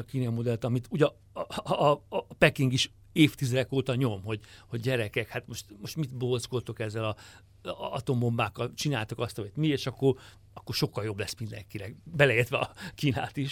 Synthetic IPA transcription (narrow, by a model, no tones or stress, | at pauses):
kiːnɒmo̞d̪ɛlt̪ɒmit̪uːɟɒː | pɛkiŋɡiʃ | eːft̪izɛd̪ɛkoːt̪ɒɲo̞mho̞ɟhoɟɟɛɾɛkɛkhat̪mo̞ʃt̪moʃt̪mit̪bolskolt̪okɛzːɛlɒ | ɒ̰t̪o̞mombaːkːɒlt͡ʃinaːjt̪okɒst̪ɒmit̪mieːʃɒkːor | ɒkːorʃo̞kːɒljo̞blɛsmind̪ɛ̰ŋkinɛkbɛlɛet̪ʋɛɒ̰kiːna̰ːt̪iʃ